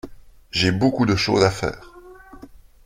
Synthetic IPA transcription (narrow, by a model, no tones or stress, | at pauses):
ʒebokud̪əʃo̰ːzafɛ̰ːʁ